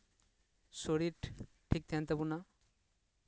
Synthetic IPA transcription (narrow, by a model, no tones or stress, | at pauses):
soɽi | ʈʰik̚t̪ʰɛnt̪abuna